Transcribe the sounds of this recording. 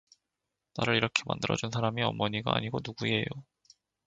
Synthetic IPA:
naɾɯɾiɾʌkʰe̞ma̰ndɯɾʌd͡ʑunsʰaɾamiʌmːʌɲiɡa̰a̰ɲiɡonuɡue̞jo

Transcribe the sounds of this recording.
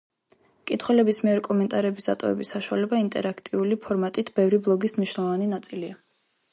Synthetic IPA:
kʼit̪ʰχwɛlɛbismiɛɾkʼɔmɛnt̪ʼaɾɛbisd̪a̰t̪ʼɔ̰vɛ̰bisːaʃuwa̰lɛbaint̪ʼɛɾakʰt̪ʼiulipʰɔɾmat̪ʼit̪ʰb̥ɛvɾiblˠɔɡismniʃwnɛlˠɔvaninat̪sʼilia

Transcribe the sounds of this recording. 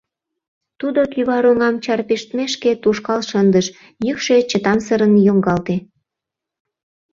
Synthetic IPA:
t̪ud̪okyβɑɾuŋɑmt͡ɕɑrpiʃt̪meʃket̪uʃkɑlʃənd̪əʃ | jykʃet͡ɕət̪ɑmsəɾənjoŋɡɑlt̪e

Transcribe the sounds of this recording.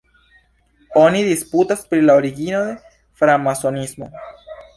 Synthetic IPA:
onidisputaspɾilaoɾiɡino̞d̪e̞ | fɾamaso̞nismo̞̰

